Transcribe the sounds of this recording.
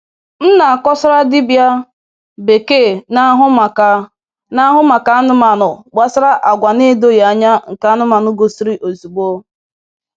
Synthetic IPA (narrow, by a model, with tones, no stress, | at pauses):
n̩˦na˨a˨kɔ˦sʊ˦ɾa˦dɪ˦bja˦ | be˨ke˦˨n˦ɦʊ˦ma˨ka˨ | na˦ɦʊ˦ma˨ka˨˦nʊ˦ma˨nʊ˨ɡ͡ba˦sɾa˦ʔa˨ɡʷa˨ne˦do˦ja˨ɲa˦ŋ̩˨ka˨˦nʊ˦ma˨nʊ˦ɡo˨si˦ɾi˦ʔo˨zi˨ɡ͡bo˦